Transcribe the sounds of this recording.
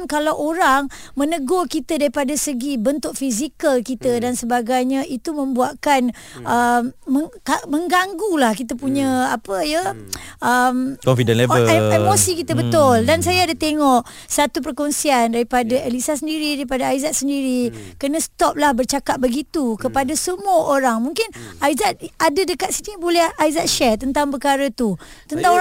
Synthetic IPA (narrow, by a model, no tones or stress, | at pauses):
nkalawʔoɾaŋmə̃nəɡokit̪ədaɾipadasəɡibənt̪ʊʔ̚fizikəlkit̪ədansəbaɡajɲãʔit̪umə̃mbuaʔkan | ʔəmːəŋkaməŋɡaŋɡulahkit̪əpuɲãapəjəʔəmkɔmfidɛnleveemosikit̪əbət̪ʊldans̬ajaːdat̪eŋɔʔ | sat̪up̬ərkɔnsiandaɾipadaɛlisas̬əndiɾidaɾipadaaizat̪̚səndiɾikənə̃sə̥t̪ɔp̚lahbərt͡ʃakap̚bəɡit̪ukəpadasəmuəʔoɾaŋmuŋkɪnaizat̪̚adadəkat̪̚sinibolɛhaizat̪̚ʃɛt̪ənt̪aŋpərkaɾət̪ut̪ənt̪aŋo